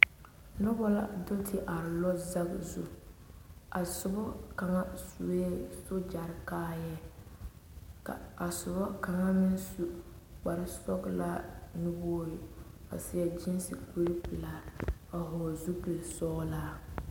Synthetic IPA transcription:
nʊ˦bɔ˦la̰˦dɪ˦ltʰɪ˦ʔa˨ɾɪ˨lɔ˦za˦ɡzṵ˦˨ | a˨sʊ˨bɔ˦ka˨ŋa˦su˨e˦sʊ˦d͡ʒa˨ɾɪ˨kaː˦jɛ˦ | ka̰˨a˨sʊ˨bɔ˦ka˨ŋa˦mɪ˦nsu˦ | k͡pa˨ɾɪ˦sɔ˦ɡla˦nu˦bɔː˦jɪ˨ | a̰˨sɪ˨a˨d͡ʒɪ˦nsi˨ku˦ɾi˦pɪ˨laː˨ɾa˨ɦɔː˨zu˦pɪ˨lsɔː˦laː˦

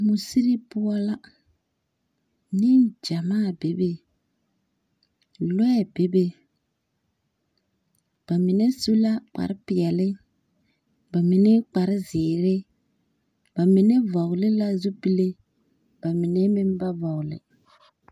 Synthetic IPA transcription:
mʊ˨si˦ɾi˦pʊ˦a˦la˦ | nɪ˦nd͡ʒa˨maː˦˨be˨be˦ | lɛ˦ɛ˦˨be˦be˦ | b̥a˨mɪ˨ne˦su˦la˦k͡pa̰˨ɾɪ˦pɪ˨ɛ˨lɪ˦ | ba˨mɪ˨ne˦k͡pa˨ɾɪ˦zɪː˨ɾɪ˦ | b̥a˨mɪ˨ne˦vɔ˨ɣlɪ˦la˦zu˦pi˦le˦ | b̥a˨mɪ˨ne˦mɪ˦m˦ba˦vɔ˨ɣlɪ̰˨

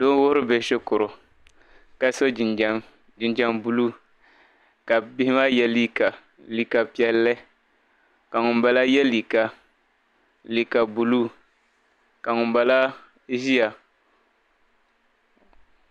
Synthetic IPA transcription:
do˦n˦wʊ˦ɾʊ˦bɛ˨ʃɛ˦kʊ˨ɾʊ˨ | ka˦so˦d͡ʒɪ˨˦ | d͡ʒɪ˨nd͡ʒa˦ŋbu˨lu˦ | ka˨bɪ˦hɪ˦ma˦jɛ˦li˦ka˨ | li˨ka˨pi˦ɛ˨lːɨ˦ | ka˨ŋʊ˨mba˨la˦jɛ˦li˨ka˨ | li˨ka˨bu˨luː˦ | ka˨ŋʊ˨mba˨la˦ | ʒi˦ja˨

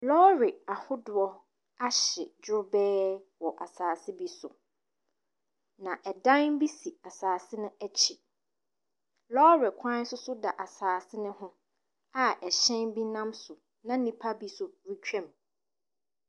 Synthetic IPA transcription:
lɔ˦ɾɪ˨a˨hʊ˦dʊ˨ɔ˦ | a˦ɕɪ˨d͡ʑʊ˦bɛː˦wɔ˨ʔa˨saː˨sɪ˦bi˦sʊ˨ | nã˨ʔɛ˨dã˦n˦bi˦si˨a˨saː˨sɪ˦nʊ̃˦æ˦t͡ɕʰi˨ | lɔː˦ɾɪ˨kʷʰã˦n˦sʊ˦sʊ˦da˨ʔa˨saː˨sɪ˦nʊ̃˦hʊ̃˦ | a˨ɛ˨ɕɛ̃˦nbi˦nã˦msʊ˨ | nã˦nĩ˨pʰa˦bi˦sʊ˨ɾi˦t͡ɕᶣɛ̃˨m

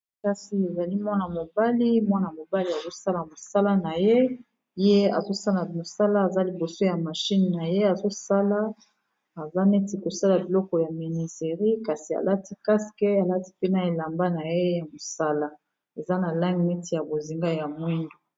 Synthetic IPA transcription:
ka˨si˨e˨za˨li˦mwa˦na˨mo˨ba˦li˦mwa˦na˨mo˨ba˦li˦a˨zo˦sa˦la˨mo˨sa˦la˦na˨je˦ | je˦a̰˨zo˦sa˦la˨mo˨sa˦laː˦˨za˦li˨bo˨so˦ja˨ma˨ʃi˦nna˨je˦a˨zo˦sa˦la˦ | a˨za˦nɛ˦ti˨ko˨sa˦la˨bi˨lɔ˦kɔ˨ja˨mi˨ni˨se˨ʁi˦ka˨si˨a̰˨lʔa˦ti˦ka˦si̥˨kɛ˦a˨la˦ti̥˦pe˦na˨e˨la˨mba˦na˨je˦ja˨mo˨sa˦la˦ | e˨za˦na˨la˦ŋɡi˨nɛ˦ti˨ja˨bo˨zi˨ŋɡa˦ja˨mwi˦ndo˨

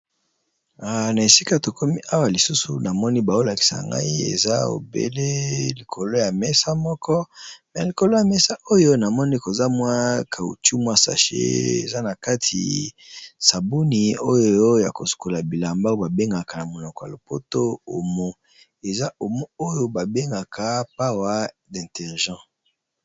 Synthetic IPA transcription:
a˨na˨e˨si˦ka˦to˨kʰo˦mi˦ʔa˦wa˨li˨su˦sṵ˨na˨mɔ˦ni˦ba˨o˦la˨ki̥˨sa̰˨ŋɡa̰˦i˦ḛ˨za˦o̰˨bḛ˦le˦li˨kʰo˨lo˦ja˨mɛ˦sa˦mɔ˦kʰɔ˦mɛ˨li˨ko˨lo˦ja˨mɛ˦sa˦ʔo˦jo˦na˨mɔ˦ni˦ko˨za˦mwa˦kʰa˨ṵ˨t͡ʃu˦mwa˦sa̰˨ʃḛ˦ḛ˨za˦na˨ka˦tʰḭ˨ | sa˨bo˦ni˨o˦jo˦ja̰˨ko˨su̥˨ko˨la˨bi˨la˨mba˦o˦ba˨be˦ŋɡa˨ka˨na˨mo˨nɔ˨kɔ˨ja˨lo˨po˦to˦o˨mo˦ | e˨za˦o˨mo˦o˦jo˦ba˨be˦ŋɡa˨kʰa˦pa˦wa˦ | dɛ̃˨tɛ˨ʁʒɑ̃˦˨

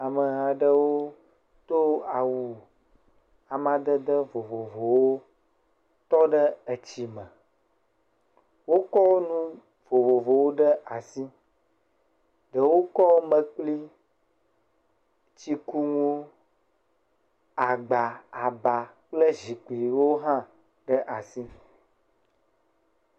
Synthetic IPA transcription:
a˨mə˨ɦa˨ɖə˦wo˦ | t̪o˦a˨wu˨ | a˨mã˨d̪ə˦d̪ə˦vo˨vo˨vo˨wo˦ | t̪ɔ˦ɖə˦ə˨t͡ɕi˦mə̃˨ | wo˦kɔ˦nũ˦ | vo˨vo˨vo˨wo˦ɖə˦ʔa˨si˦ | ɖə˨wo˦kɔ˦mə̃˨k͡pli˦ | t͡ɕi˦ku˦ŋũ˦ | a˨ɡ͡ba˨a˨ba˨k͡plə˦zi˨k͡pli˨wo˦ɦã˦ | ɖə˦ʔa˨si˦

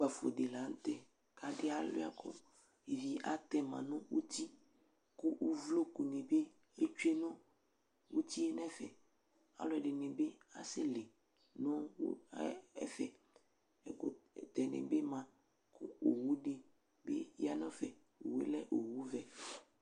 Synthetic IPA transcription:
k͡pa˨fo̰˨ɖe˨la˨˦n̩˦t̪ɛ˦ | ka˨dɪ˦a˦lo̰˦a̰˨kʰɔ̰˦ | e˨vi˨a̰˨t̪ɛ˦mã˨nɔ̃˦wu˦t̪i˦ | ku˦ʔu˦vlo˦ku˨nẽ˨be˦ | e˦t͡ʃu˦e˦nɔ̃˦ | wu˦t̪i˦e˦nɛ̃˦fɛ˨ | a̰˨lɔ˨˦ɛ˨ɖɪ˨nẽ˨be˦a̰˨sɪ˦le˨ | nɔ̃˦ | ɛ̰˨fɛ˨ | ɛ˨ko̰˨t̪ɛ˨nḛ̃˨be˦mã˨ | kʰu˦o˨wu˦ɖe˨ | bḛ˦ja˨nɔ̃˦fɛ˨ | o˨wḛ˦lɛ˦ʔo˨wu˦vɛ˨

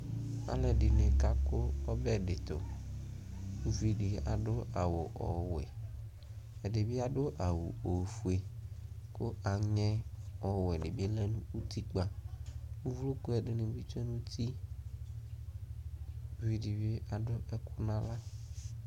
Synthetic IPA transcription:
a̰˨˦lɛ˨ɖi˨ne˨ka˦ko˦ɔ˦bɛ˦ɖe˨t̪o̰˨ | wu˦vi˨ɖi˨a̰˨ɖo˦ʔa˨wo˨ʔɔ̰˨wɛ̰˨ | ɛ˨ɖe˨bi˦a˨ɖo˦ʔa˨wṵ˨o˨fu˨e˨ko˦a˨ɲɛ̃˦ɔ˨wɛ˨ɖe˨bi˦lɛ˦nũ˦u˦t̪i˦k͡pa˨wu˦vu˦lu˦ko˦ɛ˨ɖe˨nẽ˨bi˦t͡ʃɛ˦nũ˦t̪i˦ | vi˨ɖi˨be˦ʔa˨ɖʊ˦ʔɛ˦ku˦nã˦la˦

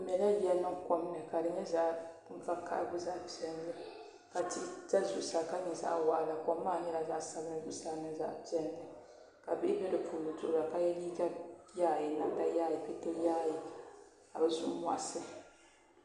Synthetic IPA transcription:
m˨ɛ˨la˦bi˦ɛ˦nɨ˦ŋkɔ˦m˦nɨ˨ka˨dɨ˨ɲɛ˦za˦ʔ | ɱ̩˦va˦ka̰˦˨ɾ̰ɡʊ˦za˦ʔpi˨ɛ˦n˦dɨ˦ | ka˨ti˦ta˦zu˨˦saː˨ka˦nɨ˨za̰˦ʔwa̰˨ʔla˨kɔː˨˦aː˦˨ɲɛ˦la˨za˦ʔsa˦bɨ˦nɨ˦zʊ˦saː˦nɨ˦za̰˦ʔpi˦˨ɛ˦ndɨ˨ | ka˨bɨ˦ʔi˦bɛ˦dɨ˨puː˨lu˨tʊ˦ʔla˨ka˦jɛ˦li˦d͡ʒa˦jaː˦˨ji˨na˦nda˨jaː˦˨ji˨pi˦to˦jaː˦ji˨ | ka̰˨bɨ˦zṵ˦m˨a̰˨ʔsɨ˦

